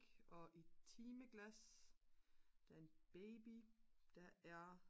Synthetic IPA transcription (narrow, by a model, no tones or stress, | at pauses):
ɡ̥ɒ̽ʔit͡sʰiːməɡ̥læs | d̥æɐe̝nb̥eːb̥id̥æ̈æɐ